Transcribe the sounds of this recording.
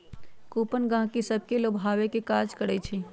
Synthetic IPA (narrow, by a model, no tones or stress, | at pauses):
kuːpənɡãːɦkisəb̚keloːbʱaːʋekekaːɾd͡ʒkəɾət͡ʃʰiː